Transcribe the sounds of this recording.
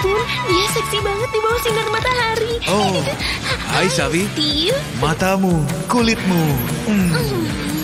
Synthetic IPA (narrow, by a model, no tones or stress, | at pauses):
t̪ʊnijasɛksibaŋət̪̚dibawasiŋərmat̪aɦaɾio | hajsavit̪i | mat̪amukulɪt̪̚mum̩